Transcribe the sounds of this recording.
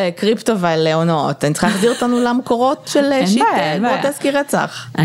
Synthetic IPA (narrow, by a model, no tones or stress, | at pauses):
ekʁiptovealeonotanitt͡sə̥χalːadiʁotanulamekoʁo̞tʃelʃitevoteskiʁet͡sa̰χ